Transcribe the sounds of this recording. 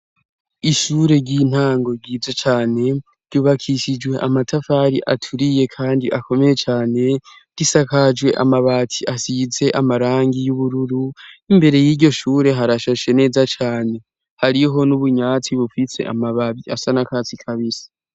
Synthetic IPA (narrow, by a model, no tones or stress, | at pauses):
iʃuɾe̞ɟin̥haːŋɡo̞ɟiːzot͡ʃaːne̞ | ɾ̥ɟuːβakʰiʃid͡ʒɡwe̞ʔamatʰafaːɾiʔatʰuɾije̞kʰaːndiʔakʰo̞me̞je̞t͡ʃaːne̞ | ɾisakad͡ʒwe̞ʔa̰maβaːtʰiasize̞ʔamaɾaːŋɡijuβuɾuɾuimbe̞ɾe̞jiːɾɟo̞ʃuːɾe̞ɦaɾaʃaʃe̞ne̞ːzat͡ʃaːne̞ | haɾiɦo̞nuβuɲaːt͡siβufise̞̰ʔa̰maβaβiasanakat͡sikʰaβisi̥